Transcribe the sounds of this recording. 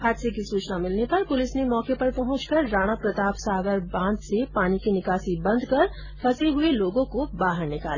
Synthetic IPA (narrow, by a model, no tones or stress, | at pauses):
ɦaːd̪sek̬isuːt͡ʃnamɪlnepɐɾpʊlɪsnemɔːkepɐɾpɐɦʊ̃t͡ʃkɐɾːaːɽ̃apɾɐt̪aːpsaːɡəɾbãːnd̪sepaːnikinɪkaːsibɐ̃nd̪ʱkɐɾ | fʰɐseɦʊeloːɡõkobaːɦəɾnɪkaːl